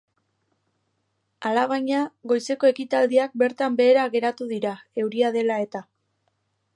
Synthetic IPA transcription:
alaɣ̞aɲaɣo̞jse̞ko̞e̞kit̪ald̪iak̚be̞ɾt̪ambe̞ːɾaɣe̞ɾat̪uðiɾae̞wɾiaðe̞lae̞t̪a

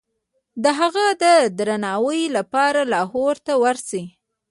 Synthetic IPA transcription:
d̪əɦaɣad̪əd̪ɾanɑwəjlapɑɾalɑɦoɾt̪awaɾsi

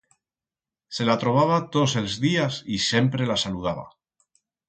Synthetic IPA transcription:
se̞lat̪ɾo̞βaβ̞at̪ose̞lzðiasisje̞mpɾe̞lasaluð̞aβa̰

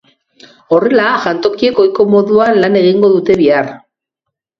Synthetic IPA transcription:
o̞re̞laʝant̪o̞kie̞ko̞jko̞mo̞ðuanlane̞ɣ̞iŋɡo̞ðut̪e̞βiar

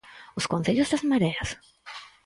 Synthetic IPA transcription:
ʊskonθeʎʊzðazmaɾeas

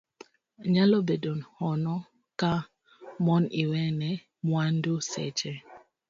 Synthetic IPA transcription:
ɲalɔbedonhɔnɔ | ka | mɔniwɛnɛ | mwandusɛ̰t͡ʃɛ

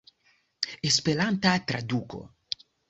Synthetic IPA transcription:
espelant̪at̪ɾad̪uko̰

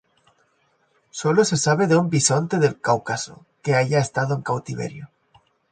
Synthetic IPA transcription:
solose̞saβ̞eðeumbisont̪e̞ðe̞lkawkaso̰ | keaʝaest̪aðoeŋkawt̪iβe̞̰ɾjo

